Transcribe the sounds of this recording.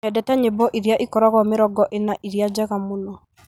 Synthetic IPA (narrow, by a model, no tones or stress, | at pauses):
ɛdɛtɛɲebɔʔiɾiaʔikɔɾaɣɔmɪɾɔɡɔʔenaʔiɾiad͡ʒɛɣamonɔ